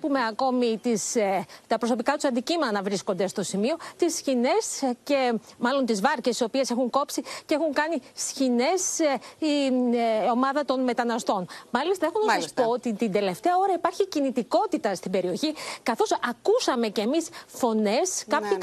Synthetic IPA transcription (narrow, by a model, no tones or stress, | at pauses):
pume̞ɐko̞mit̪ist̪ɐpɾo̞so̞pikɐt̪usɐnd̪icimenɐvɾisko̞nd̪e̞st̪o̞simio̞t̪isçine̞sce̞mɐlo̞nt̪izvɐɾcesio̞pie̞se̞xuŋko̞psiceexuŋkɐnisçine̞si | o̞mɐðɐt̪o̞nme̞t̪ɐnɐst̪o̞nmɐlist̪ɐexunɐɐsspoot̪it̪ind̪e̞le̞ft̪e̞ɐo̞ɾɐipɐɾçicinit̪iko̞t̪it̪ɐst̪ibe̞ɾio̞çikɐθo̞sɐkusɐme̞ce̞ːmisfo̞ne̞skɐpçi